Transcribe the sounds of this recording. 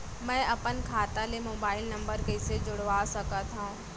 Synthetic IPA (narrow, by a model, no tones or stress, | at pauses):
mɛ̃ːʔɐpənkʰaːt̪ãlemoːbaːɪlnɐ̃mbəɾkɐised͡ʑʊɽʋaːsɐkãt̪ʰaũ